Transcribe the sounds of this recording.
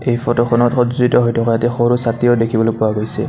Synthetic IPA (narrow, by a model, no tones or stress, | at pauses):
ejfɔtɔkʰɔnɔtxɔzuitɔɦojtʰɔkʰɔjatɛxoɹusatioʊdekʰibɔlopʊwaɡojsɛ